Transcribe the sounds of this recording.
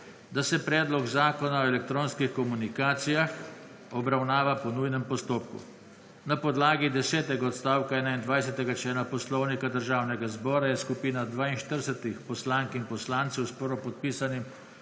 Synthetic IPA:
d̪asɛpɾɛːd̪lɔɡzaːkɔnaɔɛlɛk̚t̪ɾoːnskixkɔmunikaːt̪sijax | ɔbɾawnaːʋapɔnujnɛmpɔst̪oːpkṵ | napɔd̪laːɡid̪ɛsɛːt̪ɛɡaɔt̪st̪aːwkaɛːnaind̪ʋajsɛt̪ɛɡat͡ʃɛːnapɔslɔwnikad̪əɾʒaːwnɛɡazbɔːɾajɛskupiːnad̪ʋaːinʃt̪əɾsət̪ixpɔslaŋkinpɔslant̪sɛwspɔɾɔpɔt̪̚piːsanim

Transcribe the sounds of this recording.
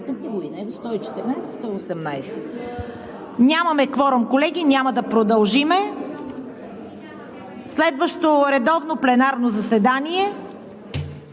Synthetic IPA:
kət̪ivoinaɛost̪ɔit͡ʃɛ̥t̪ɛɾnajsst̪ɔiosɛmnajsɛ̥ | nʲamɐmɛkvɔɾomkolɛɡ̟inʲamɐd̪ɐpɾod̪ɐlˠʒimɛ | slɛd̪vəʃt̪oɾɛd̪ɔvnoplɛnaɾnozɐsɛd̪aniɛ

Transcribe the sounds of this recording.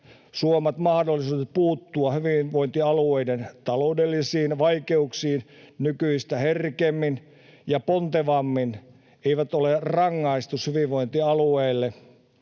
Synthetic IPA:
suomɑt̪mɑhdolːˑisuːtepuːt̪ːuɑhyʋiʋʋoint̪iɑlueident̪ɑloudelːisiːnʋɑikeuksiːnnykyist̪æherkemːin | jɑpont̪eʋɑmːin | eiʋæt̪olerɑŋːɑist̪ushyʋiʋʋoint̪iɑlueilːe

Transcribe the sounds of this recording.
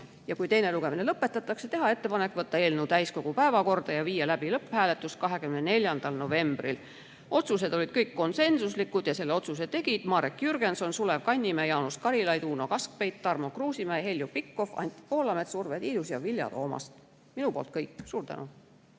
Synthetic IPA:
jɑkujt̪e̞jne̞luɡ̥e̞mine̞lɤpːe̞t̪ːˑɑt̪ːˑɑkse̞t̪e̞ɦɑe̞t̪ːe̞pɑnekːˑvɤt̪ːɑeːlnewt̪æjsko̞ɡ̥upæevɑko̞rd̪̥ɑjɑviːjelæb̥ilɤpːhæːle̞t̪ːˑuskɑɦekymnene̞lʲjɑnd̪̥ɑlno̞ve̞mb̥ril | o̞t̪sus̬e̞d̪̥o̞lid̪̥kɤjkːo̞nse̞nsuslikːˑud̪̥jɑse̞lːe̞o̞t̪sus̬e̞t̪ːe̞ɡ̥id̪̥mɑːɾekjyrɡ̥e̞nso̞nsule̞vkɑnʲːimæjɑwnuskɑɾilɑjd̪uːno̞kɑsk̚pe̞jt̪t̪ːɑrmokruːsimæjhe̞lʲjupikːˑo̞fɑ̰nʲt̪ʲːˑi̥po̞ːlɑme̞t̪survet̪iːd̪usjɑvilʲjɑ̰t̪o̞̰ːmɑ̰st̪ | minupo̞̰ːlt̪̚kɤjkːˑsuːrt̪æ̰nʔu

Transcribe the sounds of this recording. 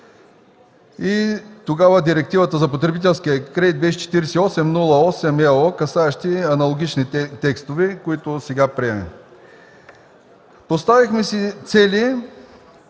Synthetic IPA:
it̪oɡavəd̪iɾɛk̚t̪ivət̪əzɐpot̪ɾɛbit̪ɛlˠskijəkɾɛd̪id̪̚bɛʃit͡ʃɛ̥t̪iɾɛsiɔsɛmnulˠɐɔsɛmɛokɐsaɛʃt̪iɐnɐlˠoɡ̟ʲit͡ʃnit̪ɛkst̪ovɛkoit̪osɛɡapɾiɛmɛ̰ | post̪avixmɛsit̪sɛli

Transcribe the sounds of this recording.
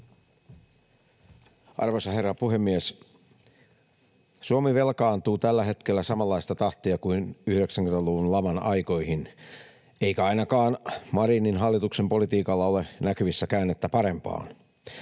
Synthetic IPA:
ɑ̰rʋosɑhe̞rːɑpuhe̞mːies | suomiʋe̞lkɑːnt̪uːt̪ælːæɦe̞t̪kelːæsɑmɑlːɑist̪ɑt̪ɑht̪iɑkuinyhɾeksæŋkynet̪æluʋunlɑmɑnɑjko̞ihin | eikæɑinɑkɑːnmɑɾininɦɑlːit̪uksempo̞lit̪iːkɑlːɑolenækyʋisːækæːnːet̪ːæpɑɾe̞mpɑ̰ːn

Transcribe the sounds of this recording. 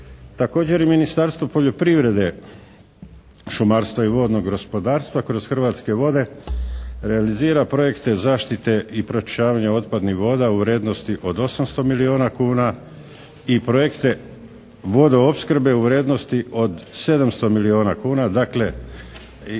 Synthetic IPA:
t̪ako̞ːd͡ʑe̞ɾiminist̪aɾst̪ʋopo̞ʎo̞pɾiʋɾe̞d̪e̞ | ʃumaːɾst̪ʋaiʋo̞ːd̪no̞ɡɡospo̞d̪aːɾst̪ʋakɾo̞z̥xrʋaːt̪ske̞ʋo̞d̪e̞ | ɾe̞aliziːɾapɾo̞je̞kt̪e̞zaːʃt̪it̪e̞ipɾot͡ʃt͡ʃaːʋaɲeo̞t̪̚pad̪nihʋo̞ːd̪auʋɾe̞ːd̪nost̪iʔo̞d̪o̞samst̪o̞milio̞ːnakuːna | ipɾo̞jekt̪e̞ | ʋo̞d̪oopskr̩be̞uʋɾe̞ːd̪no̞st̪iʔo̞d̪se̞d̪amst̪o̞milio̞ːnakuːnad̪akle̞

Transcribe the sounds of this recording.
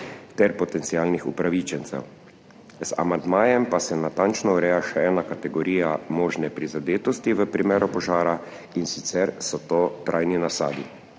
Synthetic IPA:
t̪ɛɾpɔt̪ɛnt̪siaːlnixṵpɾaʋit͡ʃɛnsɛ̰w | za̰mand̪maːjɛmpasɛnat̪ant͡ʃnɔuɾɛjaʃɛɛːnakat̪ɛɡɔɾiːjamoːʒnɛpɾizad̪eːt̪ɔst̪iʋəpɾimeːɾɔpɔʒaːɾa | insit̪sɛɾsɔt̪oːt̪ɾʔajninasaːd̪i

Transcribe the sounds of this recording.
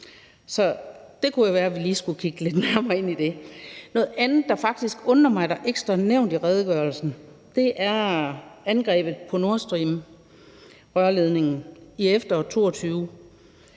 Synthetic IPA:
sɒ̽d̥e̝kʰujæʋæːɐæʋiliːsɡ̥ukʰiɡ̥əle̝d̥næɐmɐɐːe̝n̰id̥e̝nɔ̽ːð̩ˠænð̩ˠd̥ɑ̈fɑ̈ɡ̥̚d̥isɡ̥ɔ̽nɐmɑ̈ɪɾɑ̈ʔeɡ̥sd̥ʁɑneʊ̰nd̥iʁɛːð̞ˠɡ̥œɐlsn̩ | d̥e̝ʔæɐænɡ̥ʁɛ̰ːb̥ð̩ˠpʰɒ̽no̝ɐsd̥ʁḭːm | ʁɶɐle̝ð̞ˠne̝ŋn̩iefd̥ɐɒt͡sʰo̝̰ːɒt͡sʰyːʊ

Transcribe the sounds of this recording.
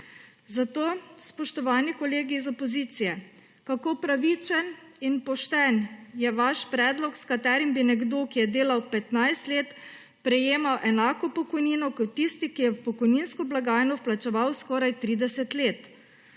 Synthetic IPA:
zat̪oːspɔʃt̪ɔʋaːnikɔleːɡiːzɔpɔziːt̪sijɛ | kakopɾaʋit͡ʃɛn | inpɔʃt̪ɛnjɛʋaʃpɾɛːd̪lɔkskat̪ɛːɾimbinɛɡd̪oːkijɛd̪eːlawpɛt̪najst̪leːt̪ | pɾɛjeːmawʔɛnaːkɔpɔkɔjniːnɔkɔt̪ːist̪ikijɛwpɔkɔjninskɔblaɡaːjnɔplat͡ʃɛʋawskɔɾajt̪ɾiːd̪ɛsɛt̪leːt̪

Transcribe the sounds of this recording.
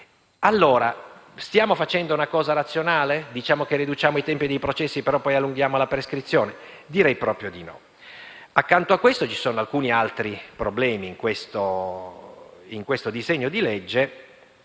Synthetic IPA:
alːoːɾast̪jaːmofat͡ʃɛnd̪ounakɔːzaɾat̪sːjonaːled̪it͡ʃaːmokerid̪ut͡ʃaːmoit̪ɛmpid̪ejpɾot͡ʃɛsːipeɾɔpːɔjalːuŋɡjaːmolapɾeskɾit̪sːjoːne | d̪iɾɛjpɾɔːpɾjod̪inɔ̰ | akːant̪oakːwest̪ot͡ʃi̥soːnoalkuːnialt̪ɾipɾoblɛːmiːŋkwest̪o | iŋkwest̪od̪izeɲːod̪iled͡ʒːe

